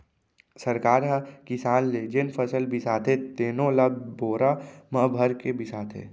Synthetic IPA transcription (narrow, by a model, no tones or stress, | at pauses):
sɐɾkaːɾɦɐkɪsaːnled͡ʒenpʰəsəlbʱisaːt̪ʰɦet̪eːnõlaboːɾamɐbʱəɾkebɪsaːt̪ʰɦḛː